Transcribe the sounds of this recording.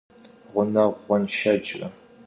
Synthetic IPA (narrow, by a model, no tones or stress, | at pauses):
ʁʷʊnɐʁʷɔnʃɐd͡ʒʼɐ